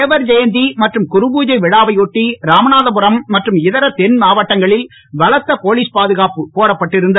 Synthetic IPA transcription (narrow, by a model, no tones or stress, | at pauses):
eːʋɐɾd͡ʒɛjɐnd̪imɐʈrɯmkʊɾɯbuːd͡ʒɐɪʋɪɽaːʋɐɪɔʈːiɾaːmɐnaːðɐpɯɾɐmːɐʈrɯmɪðɐɾɐt̪ɛnmaːʋɐʈːɐŋɡɐɭɪl | ʋɐɭɐt̪ːɐpoːliːspaːðɯɣaːpɯpoːɽɐpːɐʈːɪɾɯnd̪ɐ